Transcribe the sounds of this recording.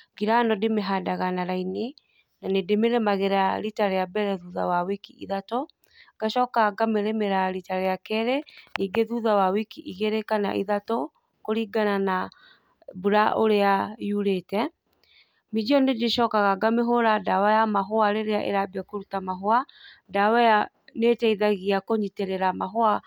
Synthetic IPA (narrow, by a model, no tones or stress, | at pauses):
ɡiɾanɔdemeɦadaɣanaɾaini | nanedemeɾɛmaɣeɾaɾitaɾejabɛɾɛðuða̰wawikiʔḭðato | ɡ̥aʃɔːkaɣaɡameɾemeɾaɾitaɾejakɛɾeniːɡeðuðawawikiʔiɣeɾekana̰ʔiðato | koɾiɡanana | buɾaʔoɾeajuɾeːtɛ | mid͡ʒiɔnedeʃɔːkaɣaɡameɦoɾadawajamaɦoaɾeɾeaʔḛɾabiakoɾutamaɦoa | dawaja | netɛiðaɣiakoɲiteɾeɾamaɦoa